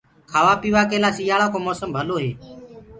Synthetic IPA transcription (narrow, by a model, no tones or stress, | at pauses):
kʰaːʋaːpiːʋaːkeːlaːsiːjaːɭãːkoːmoːsəmbʱəloːɦeː